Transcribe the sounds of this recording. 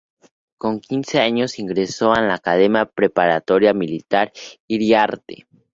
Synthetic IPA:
koŋkinseaɲosiŋɡɾesoanlaːkaðemjapɾepaɾat̪oɾjamilit̪aɾiɾjaɾt̪ḛ

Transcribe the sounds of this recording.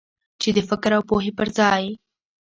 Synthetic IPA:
t͡ʃed̪əfɪkɾawpoɦepəɾzɑj

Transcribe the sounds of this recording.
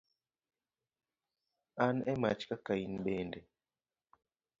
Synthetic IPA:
anɛmat͡ʃkakainɓendɛ

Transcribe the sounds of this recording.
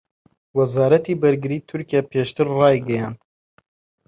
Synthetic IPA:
wɛzɑːɾɛt̪iːbɐɾɡɨɾiːt̪ʰʊɾkijɛpʰeːʃt̪ɨɾrɑːjɡɛjɑːnd̪

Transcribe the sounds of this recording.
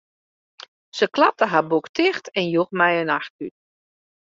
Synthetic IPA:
səklap̚təɦabuktʰɪxtʰɛnjuxmɛjənaxtyt̚

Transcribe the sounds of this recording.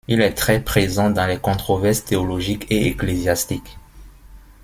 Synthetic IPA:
ilɛt̪χɛpχezɑ̃d̪ɑ̃lɛkɔ̃t̪χɔvɛʁst̪eɔlɔʒikeeklezjast̪ik

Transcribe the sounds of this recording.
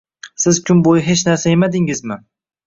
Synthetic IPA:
sɪzkʲʰʊnbojɪɦe̞t͡ʃnaɾsaemad̪ɪŋɪzmɪ

